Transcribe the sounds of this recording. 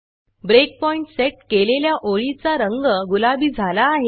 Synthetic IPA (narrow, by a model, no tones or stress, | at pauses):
bɾek̚pɔiɳʈseʈ̚keleljaʔoɭit͡saɾəŋɡəɡulabiːd͡zʱalaːɦe